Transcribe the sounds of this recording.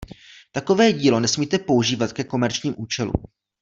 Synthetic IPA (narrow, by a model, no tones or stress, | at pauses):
t̪ako̞vɛːɟiːlo̞nɛsmiːt̪ɛpo̞uʒiːvat̪kɛko̞mɛɾt͡ʃɲiːmʔuːt͡ʃɛlṵ